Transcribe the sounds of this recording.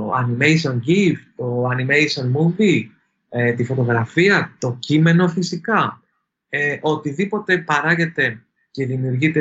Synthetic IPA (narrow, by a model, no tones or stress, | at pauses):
ɐ̰nimejs̬o̞nɟift̪oɐnimejsio̞nmuvi | et̪ifo̞t̪oɣɾɐfiɐt̪o̞cime̞no̞fisikɐ | eʔo̞t̪iðipo̞t̪e̞pɐɾɐʝe̞t̪e̞ | ce̞ðimiuɾʝit̪e